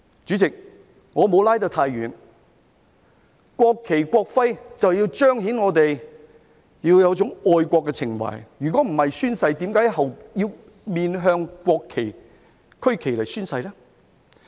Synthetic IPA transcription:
t͡ʃy˨˥t͡sɪ˨k̚ | ŋɔː˨˧mo˨˧wlaː˥jt̪o˧wt̪ʰaː˧jɥyː˨˩n | kʷɔː˧kʰːe˨˩jkʷɔː˧k̚fɐ˥jt͡sɐ˨wjiː˧wt͡ʃœː˥ŋɦi˨˥nŋɔː˨˧t̪e˨j | jiː˧wjɐ˨˧wt͡sʊ˨˥ŋɔː˨jkʷɔː˧kːɛ˧t͡sʰɪ˨˩ŋwɐ̰˨˩jjyː˨˩kʷɔː˨˥m̩˨˩hɐ˨jsyː˥nsɐ˧jt̪iː˨˥mkaː˨˥jhɐ˨wjiː˧w | miː˨nɦœː˧ŋkʷɔː˧kʰːe˨˩j | kʰɵ˥ɥkʰe˨jlɐ˨jsyː˥nsɐ˧jlɛː˥

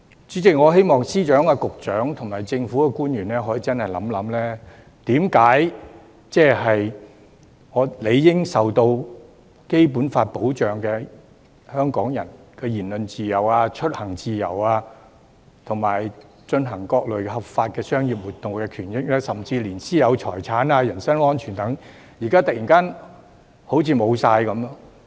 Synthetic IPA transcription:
t͡syː˨˥t͡sɪ˨k̚ŋɔː˨˧ɦe˥jmɔː˨ŋsiː˥t͡ʃœː˨˥ŋaː˧kʊ˨k̚t͡ʃœː˨˥ŋt̪ʰʊ˨˩ŋmaː˨˩jt͡sɪ˧ŋfu˨˥kɛː˧kuː˥njyː˨˩nɛː˥ɦɔː˨˥ji˨t͡sɐ˥nhɐ˨jlɐ̰˨˥mlɐ˨˥mlɛː˥ | t̪iː˨˥mkaː˨˥j | t͡sɛː˥ɦɐ˨j | ŋɔː˨˧le˨˧jːɪ˥ŋsɐ˨wt̪o˧w | ke˥jp̬uː˨˥nfaː˧t̚po˨˥wt͡ʃœː˨˩ŋkɛː˧ | hœː˥ŋkɔː˨˥ŋjɐ˨˩nkɛː˧jiː˨˩nlɵ˨nt͡siː˨jɐ˨˩waː˧t͡ʃʰɵ˥t̚hɐ˨˩ŋt͡siː˨jɐ˨˩waː˧ | t̪ʰʊ˨˩ŋmaː˨˩j | t͡ʃɵ˧nɦɐ˨˩ŋkɔː˧k̚lɵ˨˩ɥhɐ˨pfaː˧t̚kɛː˧sœː˥ŋjiː˨p̚wuː˨˩t̪̚ːʊ˨ŋkɛː˧kʰyː˨˩njɪ˥k̚lɛː˥sɐ˨mt͡siː˧liː˨˩nsiː˥jɐ˨˧wt͡ʃʰɔ̰ː˨˩jt͡sʰaː˨˥naː˧jɐ˨˩nsɐ˥nɔː˥nt͡ʃʰyː˨˩nt̪ɐ˨˥ŋ | jiː˨˩kaː˥t̪ɐ˨k̚jiː˨˩nkaː˥n | ho˨˥wt͡sʰiː˨˧mo˨˧wsaː˧jkɐ˨˧m˥ŋ

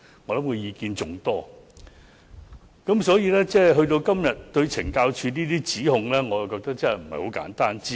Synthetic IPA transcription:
ŋɔː˨˧lɐ˨˥mkʰɵ˧jiː˨˧kiː˧nt͡sʊ˨˧ŋt̪ɔː˥ | kɐ˨˥msɔː˨˥jiː˧lɛː˥t͡sɛː˥˩ɦɵ˧ɥt̪o˧wkɐ˥mjɐ˨t̚t̪ɵ˧ɥt͡sʰɪ˨˩ŋkaː˧wt͡ʃʰyː˧niː˥t̪iː˥t͡siː˨˥hʊ˨ŋlɛː˥ŋɔː˨˧jɐ˨wkɔː˧k̚t̪ɐ˥k̚t͡sɐ˥˨jm̩˨˩hɐ˨˩jho˨˥wka̰ː˨˥nt̪aː˥nt͡siː˥

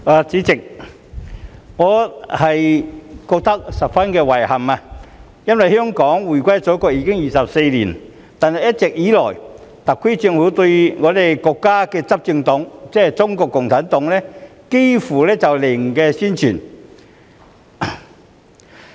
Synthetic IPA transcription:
aː˨t͡siː˨˥t͡sɪ˨k̚ | ŋɔː˨˧hɐ˨jkɔː˧k̚t̪ɐ˥k̚sɐ˨p̚fɐ˥nkɛː˧wɐ˨˩jhɐ˨˩maː˧ | jɐ˥nwɐ˨jhœː˥ŋkɔː˨˥ŋwuː˨˩jkʷa˥jt͡sɔː˨˥kɔː˧k̚ji˧kɪ˥ŋjiː˨˩sɐ˨p̚se˧jliː˨˩n | t̪aː˨nhɐ˨˩jɐ˥t̚t͡sɛ˨k̚jiː˨˥lɔ̰ː˨˩j | t̪ɐ˨kʰːe˥t͡sy˧ŋhuː˨˥t̪ɵ˧ɥŋɔː˨˧d̪e˨jkɔː˧kːaː˥kɛː˧t͡sɐ˥p̚t͡sɪ˧ŋt̪ʊ˨˧˥ŋt͡sɛː˥˨t͡sʊ˥ŋkɔː˧kːʊ˨˩ŋt͡sʰaː˨˥nt̪ʊ˨˥ŋlɛː˥ke˥jfuː˨˩lɛː˥t͡sɐ˨wlɪ˨˩ŋ˨kɛː˧siː˥nt͡ʃʰyː˨˩n

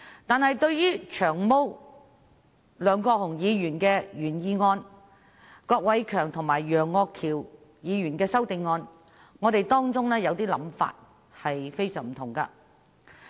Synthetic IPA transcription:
t̪aː˨nhɐ˨jt̪ɵ˧ɥjyː˥t͡ʃʰœː˨˩ŋmo˥w | lœː˨˧ŋkɔː˧hʊ˨˩ŋjiː˨˧jyː˨˩nkɛː˧jyː˨˩njiː˨˧ŋɔː˧n | kɔː˧k̚wɐ˨˥jkʰœː˨˩ŋt̪ʰʊ˨˩ŋmaː˨˩jːœː˨˩ŋːɔː˧kʰːiː˨˩w | jiː˨˧ɥyː˨˩nkɛː˧sɐ˥wt̪ɪ˨˧ŋŋɔː˧n | ŋɔː˨˧t̪e˨jt̪ɔː˥ŋt͡sʊ˥ŋlɛː˥jɐ˨˧wt̪iː˥lɐ̰˨˥mfa̰ː˧t̚ | hɐ˨jfe˥jsœː˨˩ŋm̩˨˩t̪ʰʊ˨˩ŋkɐ̰˧

